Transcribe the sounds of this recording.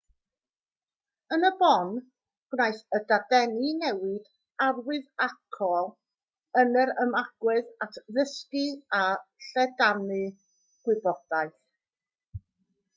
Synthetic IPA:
ənəbɔn | ɡ̥najθədadɛnɨnɛwɪd̥ | arwɨðakʰɔlˠ | ənəɾəmaɡ̥wɨðatʰðəskɨaɬɛdanɨ | ɡ̥wɪbɔd̥ajθ

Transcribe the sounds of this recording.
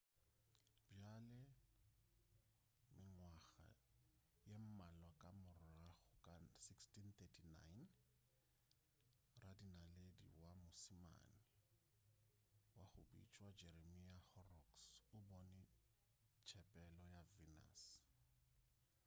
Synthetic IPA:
bjalɛ | mɪŋwaɣa̰ | jem̩malwakʼamʊraχʊkʼasikstint̪ɛtʰina̰jn | radinaledḭwamʊsima̰nɪ | wahʊbḭt͡ʃʼwad͡ʒeɾemiahɔrɔksʊbɔnɛ | t͡ʃʰɛpʼɛlɔjavina̰s

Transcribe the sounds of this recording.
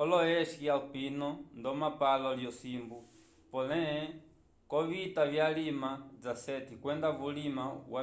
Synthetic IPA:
ɔlɔɛʃkjalpinɔndɔmapalɔljɔsimbu | pɔlɛɛ | kɔβitaβjalimad͡zasɛtikwɛndavulimawa

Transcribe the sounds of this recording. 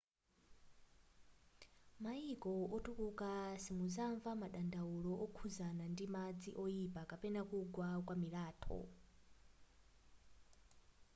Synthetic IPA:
maikʼɔɔtukʼukʼasimuzaɱvamaɗandauɺɔʔɔkʰuzanandimad͡ziʔɔipʼakapɛnakuɡwakwamiɾaːtʰɔ̰

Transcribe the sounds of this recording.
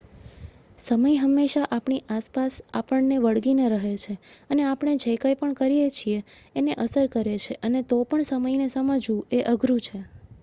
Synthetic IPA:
səməjɦəmːeʃaʔapɳiʔaspasapəɳneʋəɽɡineɾəɦet͡ʃʰeəneapɳ̃ed͡ʒekəjpəɳkəɾijet͡ʃʰieːneʔəsəɾkəɾet͡ʃʰeʔənet̪opəɳsəməjnesəməd͡ʒũeʔəɡʱɾũt͡ʃʰe

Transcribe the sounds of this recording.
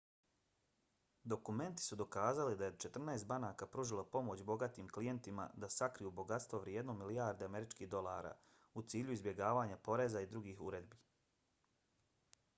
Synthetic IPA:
d̪o̞kume̞nt̪i̥sud̪o̞kaːzalid̪ajet͡ʃe̞t̪r̩naest̪̚banaːkapɾuʒilˠapo̞mo̞t͡ɕbo̞ɡat̪iːmklije̞nt̪ima̰d̪asakɾijubo̞ɡat̪st̪ʋo̞ʋɾje̞d̪no̞miliaɾd̪eame̞ɾit͡ʃkiːhd̪o̞lˠaːɾa̰ | ut̪siːʎuizbje̞ɡaːʋaːɲapo̞ɾe̞zaid̪ɾuɡiːxuɾe̞d̪biː

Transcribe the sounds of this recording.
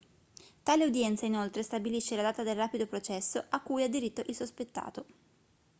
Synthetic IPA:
t̪aːleud̪jɛnt̪sainolt̪ɾest̪abiliʃːelad̪aːt̪ad̪elraːpid̪opɾot͡ʃɛsːoʔakːujad̪ːiɾit̪ːoʔilsospet̪ːa̰ːt̪o

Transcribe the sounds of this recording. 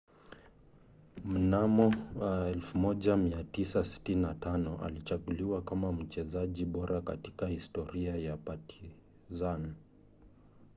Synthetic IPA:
m̩namɔwɛlfumɔʄamiatisasi̥tininatanɔʔa̰lit͡ʃaɡuliwakamam̩t͡ʃɛzaʄiɓɔɾʔaka̰tikahistɔɾiajapatʰi | zan

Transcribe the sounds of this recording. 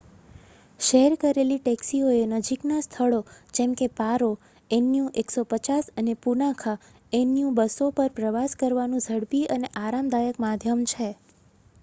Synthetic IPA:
ʃeɦɾkəɾeliʈɛksioenəd͡ʒiknast̪ʰəɭod͡ʒemkepaɾo | enːijũʔeksopət͡ʃasənepunakʰa | enjũbəsopəɾpɾəʋaskəɾʋanũd͡ʒʱəɽpiəneʔaɾamd̪ajəkmad̪ʱjəmt͡ʃʰe

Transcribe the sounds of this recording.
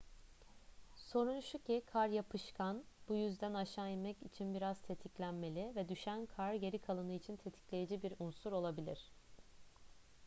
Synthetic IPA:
so̞ɾunʃucikʰaɾjapʰɯʃkʰanb̥ujyzd̪ænaʃaːjimɛcit͡ʃʰinbiɾaz̥t̪ʰe̞t̪ʰiclʲænme̞lʲivɛd̪yʃænkʰaɾɟe̞ɾikʰalˠɯnɯit͡ʃʰint̪ʰe̞t̪ʰi̥clʲe̞jed͡ʒibiɾunsuɾo̞lˠabilʲiɾ̝̥

